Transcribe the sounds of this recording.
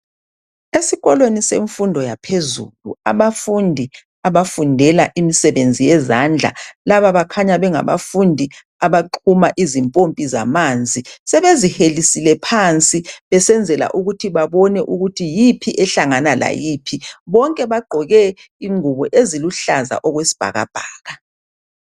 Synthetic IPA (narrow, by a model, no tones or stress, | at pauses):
esiɣɔlweniseɱfundʱɔjapʰezulṵaβafundʱi | aβafundʱɛlaʔimisɛβend͡zʱijɛzand͡ɮʱa̰laβaβakʰaɲaβɛŋa̰βa̰fundʱi | aβaǃʰumaʔizimpʼompʼiza̰mand͡zʱisɛβezihelisilɛpʰant͡sʼiβɛsɛnd͡zʱɛla̰ʔuɣutʰiβaβɔnɛʔuɣutʰijipʰiʔɛɬaŋanala̰jipʰiβɔŋkʼɛβaɡ͡ǃʱɔɣɛ | iŋuβɔʔeziluɬaza̰ʔɔɣwesi̥b̥ʱa̰ɣa̰b̥ʱaːɣa